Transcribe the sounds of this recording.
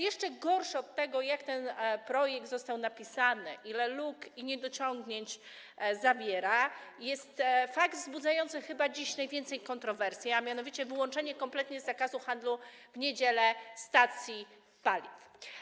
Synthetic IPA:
jɛʂt͡ʂɛɡɔɾʂɨɔt̪ːɛɡɔjakt̪ɛnpɾɔjɛɡ̚d̪zɔst̪awnapʲisanɘʔilɛlukiɲɛd̪ɔt͡ɕɔŋɡɲeɲt͡ɕ | zabʲjɛɾajɛst̪faɡt̪vzbud̪zajɔnt̪sɘxɘbad͡ʑiɕnajvʲjɛnt̪sɛjkɔnt̪ɾɔvɛɾsʲjiamʲjanɔvʲit͡ɕɛvɘwɔnt͡ʂɛɲɛkɔmplɛt̪ɲɛzːakazuxand̪luvɲed͡ʑɛlɛst̪at̪sʲji | palʲif

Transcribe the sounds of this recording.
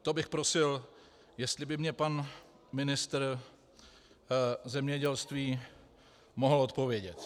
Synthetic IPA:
t̪obɪxpɾo̞sɪl | jɛst̪lɪbɪmɲɛpan | mɪnɪst̪ɾ | zɛmɲɛɟɛlst̪viː | mo̞ɦl̩o̞t̪̚po̞vjɛɟɛt̪

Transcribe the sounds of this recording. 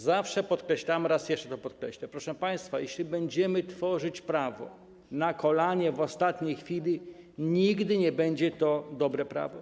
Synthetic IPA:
zafʂɛpɔt̪kɾɛɕlamɾasjɛʂt͡ʂɛ̥t̪ɔpɔt̪̚kɾɛɕlɛpɾɔʂɛ̃paj̃st̪fajɛɕlʲibɛɲd͡ʑɛmɘt̪fɔʐɘt͡ɕpɾavɔ̰ | nakʰɔlaɲɛvɔst̪at̪ɲejxfʲilʲi | ɲiɡd̪ɘɲɛbɛɲd͡ʑɛt̪ɔd̪ɔbɾɛpɾa̰vɔ

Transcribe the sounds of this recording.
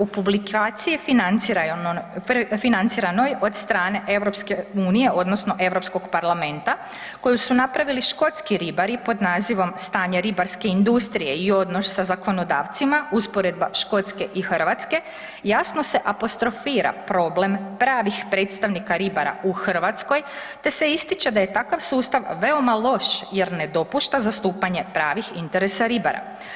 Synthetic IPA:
upublikʰaːt̪sijifinn | finant̪siɾano̞jo̞d̪st̪ɾaːne̞ʔe̞ʋɾo̞pskeuːnijeʔo̞d̪nosno̞ʔe̞ʋɾo̞psko̞ɡpaɾlˠame̞nt̪a | ko̞jusunapɾaʋiliʃko̞t̪skiɾibaɾipo̞d̪naːziʋo̞mst̪aːɲeɾibaɾske̞ind̪ust̪ɾije̞io̞d̪no̞ssazako̞no̞d̪aːʋt̪simauspo̞ɾed̪̚baʃko̞t̪ske̞ʔixɾ̩ʋat̪ske̞ | jasnose̞ʔapo̞st̪ɾo̞fiːɾa̰pɾo̞ble̞mpɾaːʋixpɾe̞ːt̪st̪aʋnikaɾibaɾa̰uxr̩ʋat̪sko̞j | t̪e̞se̞ist̪it͡ʃed̪aje̞t̪akaʋsuːst̪aʋʋe̞o̞malˠo̞ʃje̞ɾne̞d̪o̞puʃt̪azast̪uːpaɲe̞pɾaːʋixint̪e̞ɾesaɾibaɾa̰

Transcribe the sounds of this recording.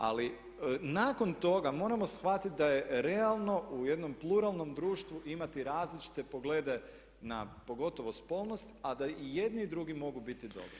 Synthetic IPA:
a̰li | naːko̞nt̪o̞ɡamo̞ːɾamo̞sxʋat̪it̪̚ʲd̪aje̞ɾe̞alˠno̞ʔuje̞d̪no̞mplˠuɾalˠno̞md̪ɾuːʃt̪ʋuʔimat̪iɾaːzlit͡ʃi̥t̪e̞po̞ɡle̞ːd̪e̞ | na̰po̞ɡo̞t̪o̞ʋo̞spo̞lˠno̞st̪ad̪aije̞d̪niːd̪ɾuɡimo̞ɡubit̪id̪o̞̰bɾo

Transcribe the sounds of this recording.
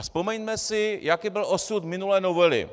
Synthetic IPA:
aspomɛɲmɛsɪjakiːbɪlʔosut̪mɪnulɛːnovɛlɪ̰

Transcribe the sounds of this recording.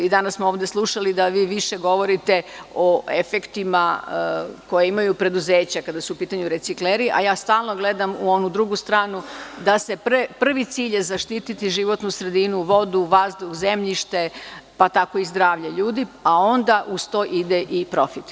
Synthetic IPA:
id̪anassmooːʋd̪e̞slˠuʃalid̪aʋiːʋiʃe̞ɡo̞ʋo̞ɾit̪e̞oe̞fe̞kt̪ima | ko̞jeimajupɾe̞d̪uze̞ːt͡ɕakad̪asuupiːt̪aɲuɾe̞t̪sikleɾiʔa̰jaːst̪aːlˠno̞ɡle̞d̪amuo̞nud̪ɾuɡust̪ɾaːnud̪ase̞ppr̩ʋit̪siːʎjezaʃt̪iːt̪it̪iʒiʋo̞t̪nusɾe̞d̪inuʋo̞d̪uʋazd̪uxze̞mʎiʃt̪e̞pat̪ako̞izd̪ɾaːʋʎaʎuːd̪iao̞nd̪aʔust̪o̞ːʔid̪eʔipɾo̞fit̪

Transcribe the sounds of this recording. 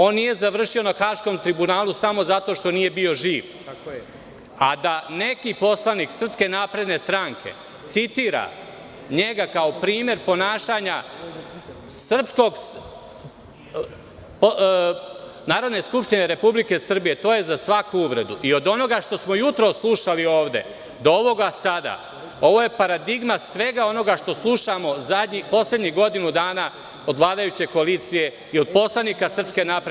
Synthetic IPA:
o̞ːnːije̞zaʋr̩ʃio̞naxaːʃko̞mt̪ɾibunaːlusamo̞zat̪o̞ːʃt̪o̞nije̞bio̞ʒiːʋ | ad̪ane̞kipo̞slˠaniːksr̩pske̞naːpɾe̞d̪ne̞st̪ɾaŋkʰe̞̰ | t̪sit̪iːɾa̰ | ɲe̞ɡakaopɾiːme̞ɾpo̞naːʃaːɲa | sr̩psko̞ɡ | p | naːɾo̞d̪neskupʃt̪ine̞ɾe̞publike̞sr̩bije̞t̪o̞ːje̞zasʋakuuʋɾe̞̰d̪uʔio̞d̪o̞no̞ɡaʃt̪o̞smojut̪ɾo̞sːlˠuʃalio̞ːʋd̪e̞̰ | d̪ooʋo̞ɡasad̪a̰ | o̞ʋo̞je̞paɾad̪iɡmasʋe̞ɡao̞no̞ɡaʃt̪o̞slˠuʃamo̞zad̪ɲipo̞sle̞d̪ɲiɡo̞d̪inud̪aːna | o̞d̪ʋlˠaːd̪ajut͡ɕe̞koaliːt̪sije̞ | io̞d̪po̞slˠaniːkasr̩pske̞napɾe

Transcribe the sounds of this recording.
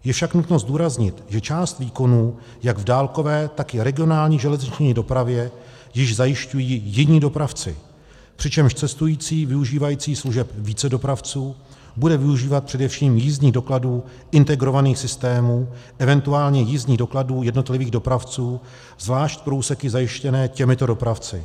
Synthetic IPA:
jɛfʃaknut̪no̞zduːɾazɲɪt̪ʒɛt͡ʃaːst̪viːko̞nuː | jaɡvdaːlko̞vɛːt̪akɪɾɛɡɪo̞naːlɲiːʒɛlɛzɲɪt͡ʃɲiːdo̞pɾavjɛ | jɪʒzajɪʃcujiːjɪɲiːdo̞pɾaft͡sɪ̰ | pr̝̥ɪt͡ʃɛmʃt͡sɛst̪ujiːt͡siːvɪuʒiːvajiːt͡siːsluʒɛpviːt͡sɛdo̞pɾaft͡suː | budɛvɪuʒiːvat̪̚pr̥ɛdɛfʃiːmjizɲiːɣdo̞kladuː | ʔɪnt̪ɛɡɾo̞vaniːxsɪst̪ɛːmuːʔɛvɛnt̪uaːlɲɛjizɲiːdokladuːjɛdno̞t̪lɪviːɣdo̞pɾaft͡suː | zvlaːʃc̪pɾouːsɛkɪzajɪʃcɛnɛːcɛmɪt̪o̞do̞pɾaft͡sɪ̰

